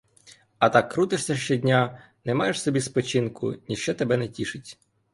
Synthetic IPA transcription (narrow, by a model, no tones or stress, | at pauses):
ɐt̪ɑkːɾut̪ɪʂsʲɐʃt͡ʃɛdʲnʲa | nɛmɑjeʃsɔbʲispɔt͡ʃinkʊ̰nʲiʃt͡ʃɛt̪ebɛnɛtʲiʃɪtʲ